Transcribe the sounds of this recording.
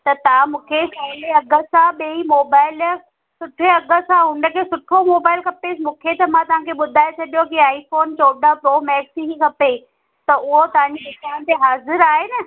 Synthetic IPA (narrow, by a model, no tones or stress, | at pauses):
t̪ɐt̪ɐʋ̤ãmũːkʰesaːleɐɡʱəsãɓeimoːbaːɪl | sʊʈʰeɐɡʱə̆sãɦʊ̃ɳɖəkʰesʊʈʰomoːbaːɪlkʰɐpesmũːkʰet̪ɐmãt̪ɐʋ̤ãkʰeɓʊd̪ʱaːet͡ɕʰɐɗijokiaːifoːnt͡ɕoːɗapɾoːmɛːksiɦikʰɐpe | t̪ɐʔʊɦot̪ɐʋãɲd͡ʑieːtaːnt̪eɦaːzɪɾaːɦeːnɐ